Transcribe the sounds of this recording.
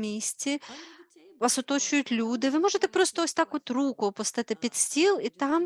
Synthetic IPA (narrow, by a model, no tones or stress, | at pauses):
mʲisʲt͡sʲi | ʋɑsɔt̪ɔt͡ʃʊjʊtʲlʲud̪ɪʋɪmɔʒet̪ɛpɾɔst̪ɔɔsʲt̪ɑkɔt̪rukʊpɔst̪ɪt̪ɪpʲid̪sʲtʲilˠit̪ɑm